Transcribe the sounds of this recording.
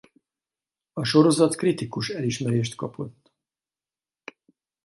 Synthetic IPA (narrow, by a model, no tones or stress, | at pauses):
ɒʃo̞ɾo̞zɒt̪krit̪ikuʃɛliʃmɛɾeːʃt̪kɒpo̞t̪ː